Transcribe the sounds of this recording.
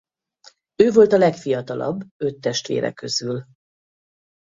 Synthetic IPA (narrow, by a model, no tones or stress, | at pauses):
øːvo̞lt̪ɒlɛkfijɒt̪ɒlɒ̰bːø̞t̪ːɛʃt̪ʋḛːɾɛ̰kːø̞zyl